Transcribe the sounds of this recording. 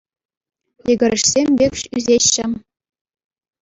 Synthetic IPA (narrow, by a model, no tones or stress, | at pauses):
jɘ̆ɡʲɘ̆ɾʲɘ̆ʂsʲemʲbʲekʲʂyzʲeɕːɘ̆